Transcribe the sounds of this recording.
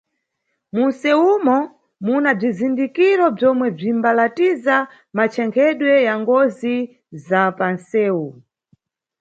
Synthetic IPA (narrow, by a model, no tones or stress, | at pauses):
munsɛumɔ | munab͡ʐizindikiɾɔb͡ʐɔmwɛb͡ʐimbalatiza | mat͡ʃʰɛŋkʰɛɗwɛjaŋɡɔzi | zapansɛːu